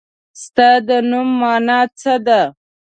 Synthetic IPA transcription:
st̪ad̪ənumːɑnat͡səd̪a

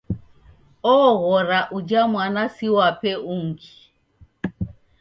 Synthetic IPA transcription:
ɔɣɔɾaʔud͡ʒamwanasiwapɛuŋɡi

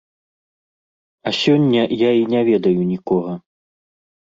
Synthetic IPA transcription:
ɐsʲɔnʲːɐjainʲɛvʲɛd̪ɐjunʲikɔɣɐ

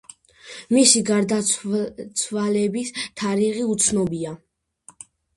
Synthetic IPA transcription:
misiɡaɾd̪at̪sʰwalɛbist̪ʰaɾiʁiut̪sʰnɔbia

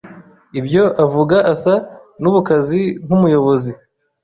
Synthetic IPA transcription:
ibjo̞ʔavuɡaʔasa | nuβukazib̥humujo̞βo̞zi

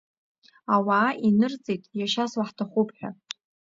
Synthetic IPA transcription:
awaːʔinɨrt͡sʼejtʼjaʃaswaħtʰaχʷupʰħᶣa̰

